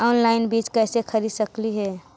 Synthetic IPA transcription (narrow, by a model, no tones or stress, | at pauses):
ɔːnlaːɪnbiːt͡ʃkɛːsekʰəɾisəkliɦɛː